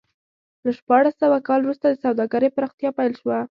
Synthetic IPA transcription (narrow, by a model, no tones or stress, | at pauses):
laʃpɑɽasːawakɑlwɾust̪ad̪əsawd̪ɑɡaɾejpəɾɑxt̪jɑpajlʃwa